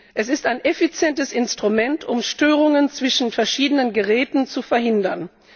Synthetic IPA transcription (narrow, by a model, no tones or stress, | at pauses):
ʔɛs̬ɪstaɪnʔefit͡sjɛntəsɪnstʁ̥umɛntʰʊmʃtøːʁ̞ʊŋənt͡sv̥ɪʃn̩fɛɐʃiːdənənɡəʁɛːtn̩t͡sufɛɐhɪndɐn